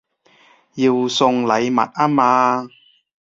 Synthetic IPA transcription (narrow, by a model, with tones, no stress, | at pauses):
jiː˧wsʊ˧ŋlɐ˨˧jmɐ̰˨t̚ʔaː˥maː˧